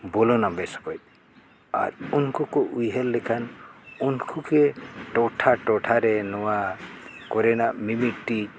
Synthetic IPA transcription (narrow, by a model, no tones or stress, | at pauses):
bɔlɔnabɛsɔ̥kɔjt̪̚ | a̰ɾunkukɔʔujɦɛlːɛkʰanunkʰukeʈɔʈʰaʈɔʈʰaɾɛnɔwakɔɾɛnamimiʈːi